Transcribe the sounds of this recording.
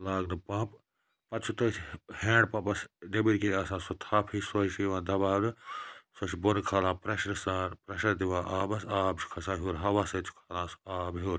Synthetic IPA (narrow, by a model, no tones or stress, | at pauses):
laːɡnɨpãːp | pɐt͡ʃʰut̪ɐsʰheːɳɖ̚pɐpɐsdebiɾʲkiɾʲaːsãːsot̪ʰaːpʰisoʃiʋãːd̪ɐbaːlɨsoʃibonkʰalãːpɾɐʃɾɐsaːɾpɾɐʃɐɾd̪iʋãːʔaːbɐsaːbt͡ʃʰi̥kʰɐsãːɦuːɾɦɐʋaːsɐt͡ʃʰkʰalãːsaːbɦuːɾ